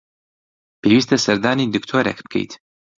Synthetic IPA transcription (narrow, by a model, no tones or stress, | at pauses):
pʰeːwiːs̬t̪ʰɐsɐɾd̪aːniːd̪ɨkt̪ʰoːɾḛkbɨ̥kʰḛjt̪